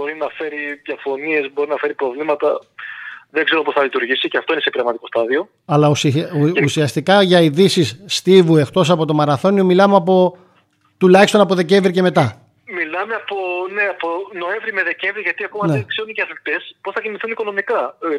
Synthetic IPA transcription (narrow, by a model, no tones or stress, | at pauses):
bo̞ɾinɐfe̞ɾiðjɐfo̞nie̞zbo̞ɾinɐfe̞ɾipɾo̞vlimɐt̪ɐ | ðeŋɡze̞ɾoposθɐlit̪uɾʝisiceɐft̪oinesepiɾɐɣmɐt̪iko̞st̪ɐðio̞ | ɐlɐususiɐst̪ikɐʝɐiðisisːt̪ivue̞xt̪o̞sɐpo̞t̪o̞mɐɾɐθo̞niomilɐmeɐpo̞ | t̪ulɐçist̪o̞nɐpo̞ðece̞ɱvɾice̞me̞t̪ɐ | milɐmeɐpone̞ɐpo̞no̞e̞ɱvɾime̞ðe̞ce̞ɱvɾiʝɐt̪iɐkomɐnekse̞ɾunceɐθilt̪e̞spo̞sθɐciniθuniko̞no̞mikɐ